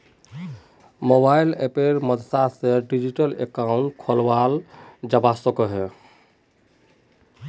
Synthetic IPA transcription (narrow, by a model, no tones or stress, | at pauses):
mobailḛpeɾməd̪t̪aseɖid͡ʒiʈəlḛkaʊɳʈkʰolwald͡ʒəbasɔkɔɦɛ